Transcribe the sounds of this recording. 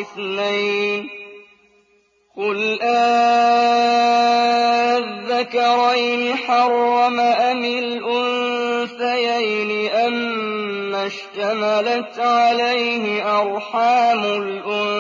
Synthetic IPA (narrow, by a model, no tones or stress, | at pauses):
ɪθnajn | qʊlʔaː | ðːakɑɾˤajnɪħɑɾˤːɑmaʔamɪlʔʊnsajajnɪʔamː | aʃt̪amalat̪ʕalajhɪʔɑɾˤħaːmʊlʔʊn